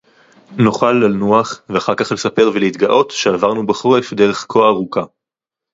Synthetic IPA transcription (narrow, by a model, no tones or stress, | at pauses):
nuχalːalnuaχveaχaʁkaχle̞sape̞ʁveleit̪ɡaʔo̞tʃe̞avaʁnubaχoefd̪e̞ʁ̞e̞χkʰoaʁuka